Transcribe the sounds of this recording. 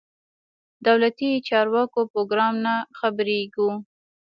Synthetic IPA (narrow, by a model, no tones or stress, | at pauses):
d̪awlat̪it͡ʃɑɾwɑkopɾoɡɾɑmnaxabəɾeɡu